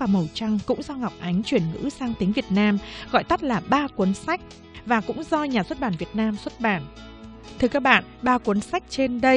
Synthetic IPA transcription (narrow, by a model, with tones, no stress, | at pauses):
aː˨˩mə˨˩wt͡ɕa˧ŋkʊ̰˧˥ŋ͡mzɔ˧ŋa˨˩wk͡p̚ʔa˨˦jŋ̟t͡ɕwi˧˩ənŋɨ̰˧˥saː˧ŋt̪i˨˦ŋvi˨˩ət̚naː˧mɣɔ̰˧˨jt̪ə˦˥t̚laː˨˩ɓaː˧kwu˨˦ənsa˦˥jk̚ | vaː˨˩kʊ̰˧˥ŋ͡mzɔ˧ɲaː˨˩swt̚ɓaː˧˩nvi˨˩ət̚naː˧mswt̚ɓaː˧˩n | t̪ʰɨ˧əkaː˦˥k̚ɓa̰ː˧˨nɓaː˧kwu˨˦nsa˦˥jk̚t͡ɕe˧nɗə˧